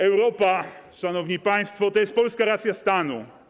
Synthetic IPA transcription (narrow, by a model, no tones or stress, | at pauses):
ɛwɾɔpaʂanɔvɲipaj̃st̪fɔt̪ɔjɛst̪pɔlskaɾat̪sʲjast̪anṵ